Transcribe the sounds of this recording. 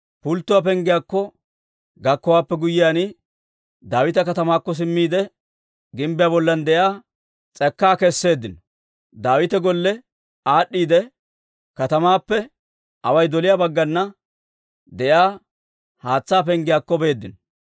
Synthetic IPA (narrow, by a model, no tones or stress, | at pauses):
pʊlt̪ːʊwap̬ɛŋɡɪjaːkːɔ | ɡɐkːɔwaːpːɛɡʊjɪjaːnɪ | d̪aːwɪt̪ɐkɐt̪ɐmaːkːɔs̬ɪmːiːd̪ɛ | ɡɪmbɪjaːbɔlːɐnd̪ɛjaː | t͡sʼɛkːaːkɛsːe̞ːd̪ːɪnɔ | d̪aːwɪt̪ɛɡɔlːɛ | aːɗːiːd̪ɛ | kɐt̪ɐmaːpːɛ | ɐwɐjd̪ɔlɪjaːbɐɡːɐnːɐ | d̪ɛjaː | haːt͡sːaːpɛŋɡɪjaːkːɔbe̞ːd̪ːɪnɔ